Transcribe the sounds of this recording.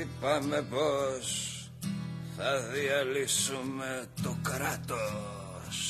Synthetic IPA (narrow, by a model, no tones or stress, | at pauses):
ipɐme̞pos | θɐðiɐlisume̞t̪okɾɐt̪o | s